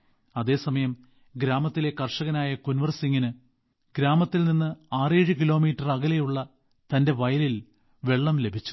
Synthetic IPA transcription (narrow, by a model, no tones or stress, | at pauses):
ɐðe̞ːsɐmɐjɐm | ɡɾaːmɐt̪ːile̞kɐrʂɐɣɐnaːjɐkunʋɐrsiŋːinɨ | ɡɾaːmɐt̪ːilninːɨaːreːɻɨkilo̞ːmiːtːɐrɐɣɐle̞juɭːɐ | t̪ɐnde̞ʋɐjɐlil | ʋe̞ɭːɐmle̞bʱit͡ɕːu̥